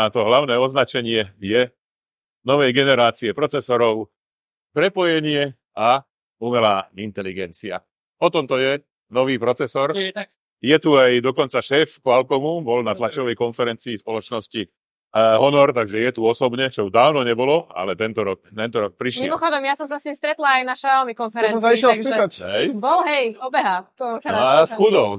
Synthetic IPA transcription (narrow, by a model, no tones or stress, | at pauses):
at̪ɔɦlaʊnɛːɔznat͡ʃɛɲɪɛjɛ | nɔʋɛjɡɛnɛɾaːt͡siɛpɾɔt͡sɛsɔɾɔʊ | pɾɛpɔjɛɲɪɛ | a | umɛlaːint̪ɛliɡɛnt͡sia̰ | ɔt̪ɔmt̪ɔjɛ | nɔʋiːpɾɔt͡sɛsɔɾ | jɛt̪uajd̪ɔkɔnt͡saʃɛːfkɔalkɔmubɔlnat̪lat͡ʃɔʋɛjkɔnfɛɾɛnt͡siːspɔlɔt͡ʃnɔsci | ɦɔnɔɾt̪aɡʒɛjɛt̪uɔsɔbɲɛt͡ʃɔud̪aːʊnɔɲɛbɔlɔa̰lɛt̪ɛnt̪ɔɾɔkt̪ɛnt̪ɔɾɔk̚pɾiʃmmmɔxɔd̪ɔmjasɔms̬asɲimst̪ɾɛt̪laajnaʃaalmikɔnfɛɾɛnsɔ̃saiʃɛlspit̪acɦɛjbɔlɦɛjɔbɛɦa | sxud̪ɔʊ